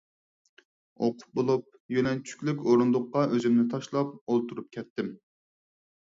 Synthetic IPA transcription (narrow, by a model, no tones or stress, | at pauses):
oqʰʊ̥p̚bolˠup̚jønɛlt͡ʃʰy̥kʲlykʲoɾund̪ʊqːɑʔøzymnɪt̪ʰɑʃlˠɑp̚olˠt̪ʰuɾup̚kʲʰɛt̪ːɪm